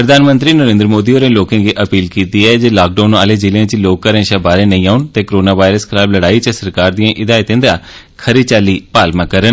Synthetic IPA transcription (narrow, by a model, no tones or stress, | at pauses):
pɾəd̪ʱaːnmənt̪ɾiːnəɾẽːnd̪ɾmoːd̪iːoːɾẽːloːkãːɡiːʔəpiːlkiːt̪iːɛːd͡ʒeːlaːk̚ɖaːna̰ːleːd͡ʒɪlẽːɪt͡ʃloːkːəɾə̃nʃaːbaːɾẽːnəĩːaːʊnt̪eːkoɾoːnaːʋaːɪɾəskʰɪlaːbləɽaːiːt͡ʃəsəɾkaːɾd̪ijãːʔɪd̪aːɪt̪ẽːd̪aː | kʰəɾit͡ʃaːliːpaːlmãːkəɾən